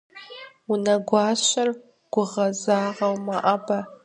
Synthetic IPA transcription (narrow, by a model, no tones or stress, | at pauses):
unɐɡʷaːɕʷɐr | ɡ̥ʷʊʁɐzaːʁɐwmaʔabɐ